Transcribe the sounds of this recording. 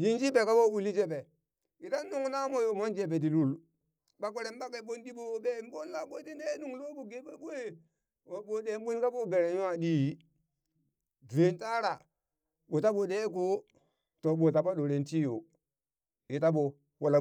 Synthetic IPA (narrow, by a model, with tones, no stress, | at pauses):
ji˦nd͡ʒi˦be˨ka˦bo˦u˨li˦d͡ʒe˦be˨ | ji˨ta˦nː˦u˦ŋna˦mo˦jo˨mo˦nd͡ʒe˨be˨di˨lu˦l | ɓa˨k̬o˨ɾe˨mba˦ke˨ɓo˦ndi˦bo˨˦be˦˨m˦bo˦nla˨ɓo˦ti˦de˦nu˨ŋlo˦bu˨ɡe˦be˦ɓo˦je˦ | wo˨ɓo˨de˦ɓu˦n˦ka˦bo˦be˨ɾe˨ju˦wa˨di˦˨ | dɾe˨nta˦ɾa˨ | ɓo˨ta˦ɓo˨de˦k̬o˦ | to˨ɓo˨ta˨bo˦ɗo˨ɾe˨nti˦jo˨ | ji˨ta˦bo˨ | wo˨la˦